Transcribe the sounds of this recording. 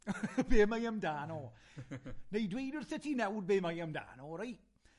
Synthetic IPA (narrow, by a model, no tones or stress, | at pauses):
beːmajəmdaːnoː | nejdwejdɪrθɪtʰinɛwd̚beːmajəmda̰ːnoːɾaj